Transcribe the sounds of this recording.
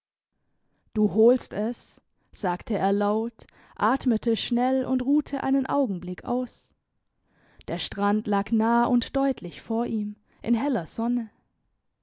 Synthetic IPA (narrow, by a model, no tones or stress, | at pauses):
d̥uːɦoːlstɛs | z̥aːktʰəeːɐlaʊt | ʔaːtmətʰəʃnɛlʔʊ̰ntʁuːtʰəʔa̰ɪnənʔa̰ʊɡŋ̩blɪkʰʔa̰ʊs | d̥eːɐʃtʁ̥antlaːknaːʔʊntd̥ɔʏtʰlɪçfoːɐʔiːm | ʔɪ̰nɦɛlɐz̥ɔnə